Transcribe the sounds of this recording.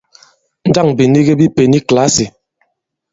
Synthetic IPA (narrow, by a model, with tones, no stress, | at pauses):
n̩˦da˦˨ŋbi˨ni˦ɡe˦bi˦pe˨ni˦kla˦si˨